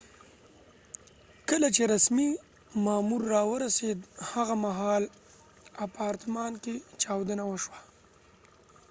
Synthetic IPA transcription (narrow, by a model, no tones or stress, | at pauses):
kəlat͡ʃeɾasmi | mɑmuɾːɑwəɾased̪haɣamaɦɑl | apɑːɾt̪mɑnket͡ʃɑwd̪ənawəʃwḁ